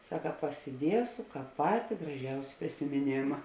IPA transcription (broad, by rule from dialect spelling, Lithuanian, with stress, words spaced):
ˈsɑːkɐ pɐsʲɪˈdʲiɛsʊ ˈkɑːp ˈpɑːtʲɪ ɡrɐˈʒʲɛʊsʲɪ pʲrʲɪsʲɪmʲɪˈnʲeːmɐ